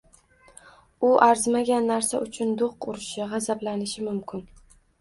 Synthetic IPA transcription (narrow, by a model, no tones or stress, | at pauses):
ʊʔaɾzmaɡʲanːaɾsaʊt͡ʃʰʊnd̪oqʊɾɪʃɪʁɑzablanɪʃɪmʊmkʲʰɪn